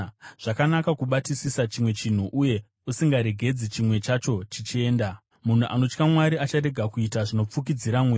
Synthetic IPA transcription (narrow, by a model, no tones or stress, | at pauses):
ʐ̥akanakakuɓatisisat͡ʃimwe̞t͡ʃin̤uʔuje̞ | usiŋɡaɾe̞ɡʱe̞d͡zit͡ʃimwe̞t͡ʃat͡ʃo̞t͡ʃit͡ʃie̞ːnda | mun̤uʔa̰no̞t͡ʃkamwaɾiat͡ʃaɾe̞ɡʱakuitaʐino̞p͡fuk̬id͡ziɾamwe